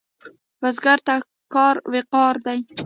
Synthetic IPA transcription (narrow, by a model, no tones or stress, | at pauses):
vazɡaɾt̪a | kːɒɾveqɒɾd̪aj